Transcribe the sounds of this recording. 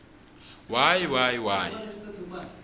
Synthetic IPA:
wajiwajiwaːjḭ

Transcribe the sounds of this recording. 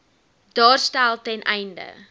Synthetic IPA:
dɑːrstælˠtɛnʔɛjndə̰

